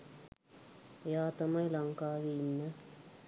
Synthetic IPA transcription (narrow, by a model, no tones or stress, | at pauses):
jaːt̪ɐmɐjlɐŋkaːʋinːɐ